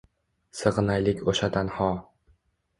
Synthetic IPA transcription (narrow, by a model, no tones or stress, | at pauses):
sɨʁɨnajlɪkʲoʃat̪ʰanhɒ